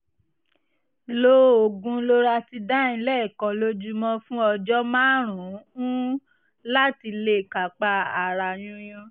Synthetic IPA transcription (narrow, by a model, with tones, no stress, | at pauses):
lo˦o˨ɡũ˧˦lo˦ɾa˧ti˧da˦ĩ˧lɛ˦˨kɔ˨˧lo˦d͡ʒu˦mɔ̃˧fũ˦ɔ˧d͡ʒɔ˦mãː˦ɾ̃ũ˨˦ũ˦ | la˦ti˧le˦˨ka˨k͡pa˧˦a˨ɾa˧˨j̃ũ˦jõ˧